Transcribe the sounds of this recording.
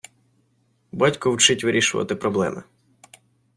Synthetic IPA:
bɑtʲkɔwt͡ʃɪtʲʋɪɾʲiʃʊʋɐ̰t̪ɪpɾɔblˠɛ̰mɪ̰

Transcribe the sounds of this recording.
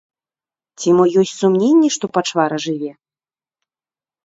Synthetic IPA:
t͡sʲimɔjɔsʲtʲsumnʲenʲːɛʂt̪ɔpat͡ʂvaɾɐʐɨvʲɛ

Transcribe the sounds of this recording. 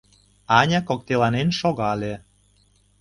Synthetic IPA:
ɑnʲɑkok̚t̪elɑnenʃoɣɑlʲe

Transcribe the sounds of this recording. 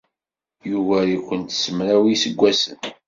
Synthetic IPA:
juvæɾikʷːənt̪səmɾæwisəɡʷːæsə̰n

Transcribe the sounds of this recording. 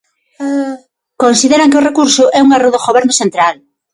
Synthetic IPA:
konsiðeɾaŋkeʊrekuɾsʊʔɛuŋeroðoɣoβɛɾnʊsent̪ɾal

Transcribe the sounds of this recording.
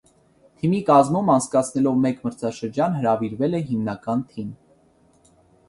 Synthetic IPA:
t̪ʰimikɑzmumɑnt͡sʰkɑt͡sʰnɛlɔvmɛkməɾt͡sʰɑʃəɾd͡ʒɑnɦəɾɑviɾvɛlɛɦimnɑkɑnt̪ʰim

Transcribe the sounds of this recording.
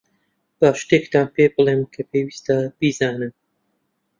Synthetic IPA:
b̥aːʃt̪ekt̪aːnpeːbɨlˠeːmkʰɐpʰewiːst̪ab̥izaːnɨm

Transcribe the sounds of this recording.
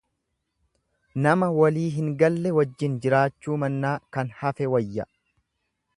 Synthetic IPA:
nɐmɐwɐliːɦɪŋɡɐlːɛwɐd͡ʒːɪnd͡ʒɪɾaːt͡ʃːuːmɐnːaːkɐnhɐfɛwɐjːɐ

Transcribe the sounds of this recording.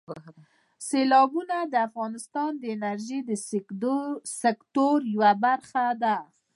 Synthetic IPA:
selɑbunad̪əafɣɑnɪst̪ɑnd̪əɪnaɾʒid̪ə | sekt̪oɾjawabaɾxad̪a

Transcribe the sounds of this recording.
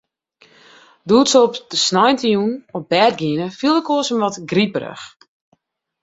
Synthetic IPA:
duːtsɔpdəsnɔjntəjunɔp̚bɛːt̚ɡiənəfilˠdəkoəsənʋɔtɡripərə̰x

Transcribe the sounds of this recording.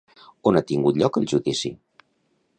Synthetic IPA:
onat̪iŋɡut̪ʎɔkəlˠʒuðisḭ

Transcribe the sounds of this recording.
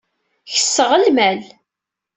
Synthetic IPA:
çə̥sːəʁəlmæl

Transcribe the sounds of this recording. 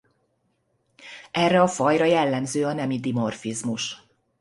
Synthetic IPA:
ɛrːɛɒfɒjɾɒjɛlːɛmzøːɒnɛmid̪imo̞rfizmuʃ

